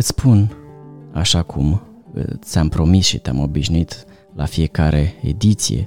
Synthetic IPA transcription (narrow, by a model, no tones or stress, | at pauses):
ɨt̪spʰun | aʃakʰum̰t̪sampɾo̞misʃit̪eamo̞biʃnuit̪ | lafie̞kaɾʔe̞ḛd̪it̪sḭje̞̰